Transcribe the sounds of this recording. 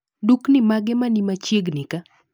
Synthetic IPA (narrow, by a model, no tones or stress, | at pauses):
duknɪmaɡɛmanimat͡ʃiɡnɪka